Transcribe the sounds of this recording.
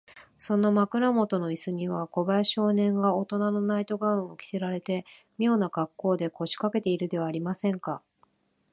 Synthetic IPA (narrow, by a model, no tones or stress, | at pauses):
sõ̞no̞makɯ̟ɾamo̞t̪o̞no̞isɨɲ̟iβ̞ako̞baɕo̞ːnẽ̞ŋɡao̞t̪o̞nano̞nait̪o̞ɡaɯ̃ɰ̃o̞kʲi̥seɾaɾe̞t̪e̞ | mʲo̞ːnaɡakːo̞ːd̪e̞kʰo̞ɕi̥kake̞t̪e̞iɾɯ̟d̪e̞βaːɾʲimasẽ̞ŋka